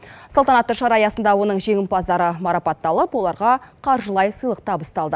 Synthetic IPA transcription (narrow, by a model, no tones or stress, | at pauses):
sɑlˠt̪ɑnɑt̪ːəʃɑɾɑjɑsənd̪ɑwo̞nəɴʒe̞ŋʲɪmpɑzd̪ɑɾəmɑɾɑpɑt̪ːɑlˠəpwo̞lˠɑɾʁɑqʰɑɾʒəlˠɑjsəjlˠəq̚t̪ɑpəst̪ɑlˠd̪ə